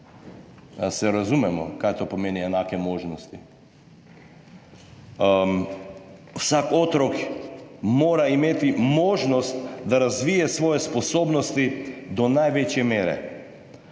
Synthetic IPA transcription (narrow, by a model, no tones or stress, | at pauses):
sɛɾazumɛmɔ̰kajt̪opɔmɛniɛnakɛmɔʒnɔst̪i | fsakɔt̪ɾɔk | mɔɾaimɛt̪imɔʒnɔst̪d̪aɾazvijɛsvɔjɛspɔsɔbnɔst̪id̪ɔnajvɛt͡ʃɛmɛɾɛ̰